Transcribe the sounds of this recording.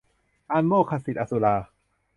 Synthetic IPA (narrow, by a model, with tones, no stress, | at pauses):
ʔa˧nmoː˥˨kʰa˧si˨˩t̪ʔa˧˩su˧laː˧